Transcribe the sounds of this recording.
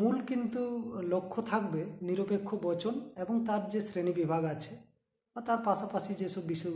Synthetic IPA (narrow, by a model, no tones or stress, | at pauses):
mulkint̪ulokʰːot̪ʰak̚beniɾopekʰːobɔt͡ɕoneboŋt̪aɾd͡ʑesɾenibibʱaɡat͡ɕʰe | bat̪aɾpaʃapaʃid͡ʑeʃɔbːiʃɔ